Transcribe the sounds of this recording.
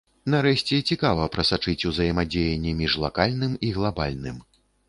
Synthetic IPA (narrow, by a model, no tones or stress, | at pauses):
nɐɾɛʃʲt͡sʲɛt͡sʲikavɐpɾɐsat͡ʂɨt͡sʲuzɐjɐmad͡zʲejɛnʲːɛmʲiʐlˠakalʲnɨmiɣlˠabalʲnɨ̰m